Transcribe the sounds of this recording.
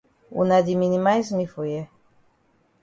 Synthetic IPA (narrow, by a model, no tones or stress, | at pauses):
ṵnad̪iminimajzmifuje